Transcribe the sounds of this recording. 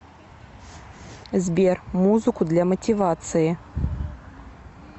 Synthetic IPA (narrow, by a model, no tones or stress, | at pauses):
zʲbʲermuzɨkud̪lʲɐmɐtʲivat̪sɨji